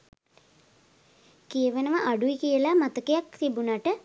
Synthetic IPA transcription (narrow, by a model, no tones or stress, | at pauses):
kijəʋənəʋəʔaɖuʋikijəlamat̪əkejakt̪ibunaʈə